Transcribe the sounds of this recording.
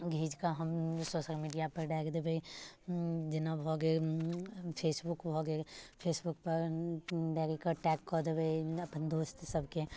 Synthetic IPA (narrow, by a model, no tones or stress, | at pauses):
ɡʱiːd͡ʒkaɦɐmsoːʃəlmiːɖijapɐɾɖɛːkʰd̪ebʱɐi | d͡ʒɪnabʱɔːɡe | pʰeːsbʊkbʱɔːɡepʰeːsbʊkpɐɾɖɛːɾekaʈɛːkːɔd̪ebʱɐiɐpnd̪oːst̪sɐbke